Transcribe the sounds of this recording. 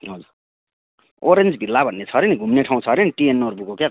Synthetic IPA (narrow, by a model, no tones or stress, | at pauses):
ɦʌd͡zur | oɾend͡zbʱilːabʱʌnːet͡sʰʌɾeniɡʱumneʈʰaw̃t͡sʰʌɾeniʈienːorbukokja